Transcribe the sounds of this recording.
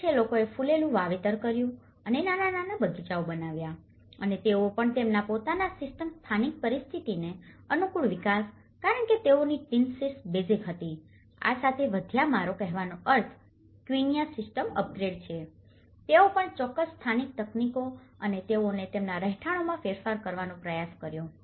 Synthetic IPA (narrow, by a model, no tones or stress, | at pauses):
t͡ʃʰelokoefulelũʋaʋet̪əɾkəɾjũ | ənenanananabəɡit͡ʃaobənaʋja | ənet̪eopəɳt̪emnapot̪anasɪsʈəmst̪ʰanik̚pəɾist̪ʰit̪ineənukuɭʋɪkas | kaɾəɳket̪eoniʈinsisbed͡ʒikɦət̪i | a̰sat̪ʰeʋəd̪ʱjamaɾokɛɦʋanoʔəɾt̪ʰ | kʋinijasɪsʈəməp̚ɡɾeɖ̚t͡ʃʰe | t̪eopəɳt͡ʃɔkːəsst̪ʰanik̚t̪əknikoənet̪eonet̪emnaɾəɦʈʰaɽ̃omãfeɾfaɾkəɾʋanõpɾəjaskəɾjo